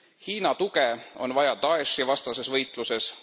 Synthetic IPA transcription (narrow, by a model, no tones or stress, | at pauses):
hiːnɑt̪uɡeo̞nvɑjɑt̪ɑesːivɑst̪ɑse̞svɤjt̪ˑluse̞s